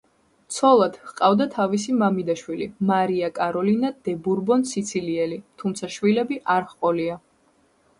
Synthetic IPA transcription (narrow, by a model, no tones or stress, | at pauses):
t̪sʰɔlˠad̪̥hqʼavd̪at̪ʰavis̬imamid̪aʃwilḭmaɾiakʼaɾɔlinad̪ɛbuɾbɔnsit̪sʰiliɛlit̪ʰumt̪sʰaʃvilɛbiʔaɾχqʼɔlia